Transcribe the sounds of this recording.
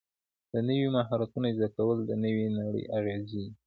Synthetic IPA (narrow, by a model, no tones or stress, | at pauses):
d̪̥ənəwimaɦɑɾat̪unazd̪akawəld̪ənəwinaɽə̰jʔaɣezi